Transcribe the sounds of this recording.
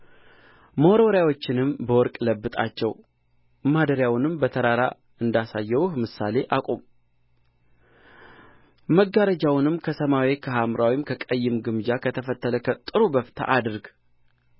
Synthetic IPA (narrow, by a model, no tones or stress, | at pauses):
məoɾoɾjawo̞t͡ʃːɪnɨmbəwɔɾkʼləbːɨt̪ʼa̰t͡ʃːɛw | mad̪əɾjawnɨmbət̪ʰəɾaɾa | ɨnd̪asajːɛwuhmɨsa̰le̞ʔakʼom | məɡaɾəd͡ʒawnɨmkʰəsəmawekʰəɦamɾawimkʰəkʼəjːɪmɡɨmd͡ʒakʰət̪ʰəfət̪ːələkət̪ʼɨɾubəft̪ʰa̰ʔad̪ɨɾɡ